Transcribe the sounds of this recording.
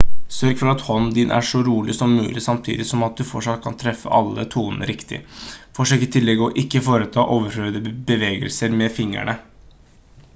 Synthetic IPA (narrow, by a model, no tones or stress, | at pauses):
sœɾɡfɔɾɑt̪hɔnd̪ɪnʔæ̰ʂɔɾuːlɪsɔmːʉ̰ːlʔɪsɑmt̪ʰḭːd̪ɪsɔmɑt̪̚d̪ʉfɔʂɑt̪̚kʰɑnt̪ʰɾɛfːə̰ʔɑlːə̰t̪ʰuːnənə̰ɾʔɪkt̪ɪ̰fɔʂøːkət̪ʰɪlːɛɡːɔʔɪkːəfoːɾət̪ʰɑːʔoːʋəɾføːd̪əbəʋeːɡə̰lsəɾmɛfɪŋːæ̰ɳə